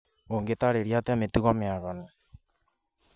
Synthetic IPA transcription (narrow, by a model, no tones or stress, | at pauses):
oŋɡet̪aɾeɾiat̪eamet̪uɣɔmeaɣɔnɔ